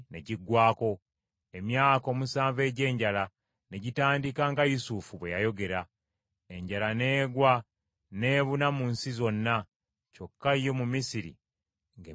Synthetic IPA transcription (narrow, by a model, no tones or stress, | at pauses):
ne̞̰ɟiɡːwaːko̞ | emjaːko̞ːmusaːɱve̞ːɟe̞ːɲɟala | ne̞ɟitaːndikaŋɡajusufuβwe̞jajo̞ɡe̞ɾa | e̞ɲɟalane̞ːɡwa | ne̞ːβunamunsizo̞nːa | co̞kːaijo̞mumisiɾḭ | ŋɡe